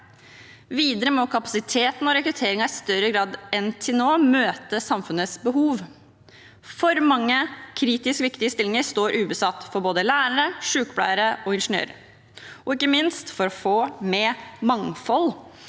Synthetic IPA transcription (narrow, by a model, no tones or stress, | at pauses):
ʋiːd̪əɾəmɔkʰɑpɑsɪt̪ʰeːt̪n̩ɔɾɛkɾʉt̪ʰeːɾɪŋɑɪst̪œɾəɡɾɑːd̪ɛnt̪ʰɪnoːmøːt̪əsɑmfʉnəsbəɦuːʋ | fɔɾmɑŋːəkʰɾiːt̪ɪskəʋɪkt̪ɪəst̪ɪlːɪŋəɾst̪oːɾʔʉːbəsɑt̪ːfɔɾboːd̪əlæːɾəɾəʂʉːkəblæ̰ːəɾəɔɪnʂnø̰ːɾə | ɔɪkːəmɪnst̪fɔɾɔfoːmɛmɑŋfɔl